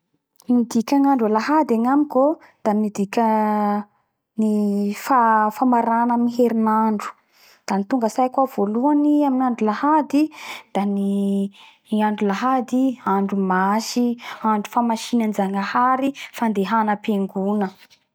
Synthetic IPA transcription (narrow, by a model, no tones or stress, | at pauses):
mid̪ikʲaŋaɳɖ͡ʐulaɦad̪aŋamiko | d̪̥amid̪ikʲə | nifafamaɾanamiɦeɾinaɳɖ͡ʐu̥ | d̪̥anit̪uŋɡəsajkwav̥oluaniaminaɳɖ͡ʐulahad̪id̪̥ani | iaɳɖ͡ʐulaɦad̪iaɳɖ͡ʐumaʃiaɳɖ͡ʐufamaʃinanzaŋahaɾifand̪eɦanəpeŋɡunə